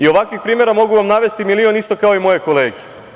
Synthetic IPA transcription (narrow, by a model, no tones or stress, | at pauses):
io̞ʋakʋixpɾiːmeɾamo̞ɡuʋamnaʋe̞st̪imilio̞nist̪o̞kao̞imo̞je̞ko̞le̞ːɡe̥